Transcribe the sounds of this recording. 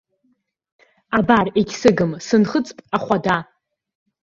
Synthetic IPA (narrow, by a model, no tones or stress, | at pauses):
abareɡʲsɨɡɨmsɨnχət͡sʼpʼaχʷada